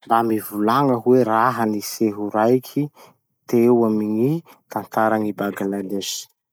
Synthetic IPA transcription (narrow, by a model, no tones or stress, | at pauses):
mbamivulaŋəɦweɾaɦəniseɦuɾajkʲʰi | t̪ewamiɲi | t̪ant̪aɾaŋibaɡanalesi̥